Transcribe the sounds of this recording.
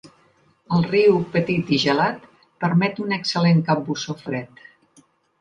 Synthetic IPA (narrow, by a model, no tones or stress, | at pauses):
əlˠriwpət̪it̪iʒəlat̪ | pəɾmɛt̪unəksəleŋkambusofɾɛt̪